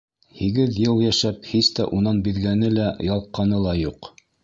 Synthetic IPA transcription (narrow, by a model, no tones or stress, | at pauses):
hiɡɘðjɤlˠjæʃæp̚hist̪æ̰ʔunɑnbiðɡænɘlæjɑlˠqːɑnɤlˠɑjuq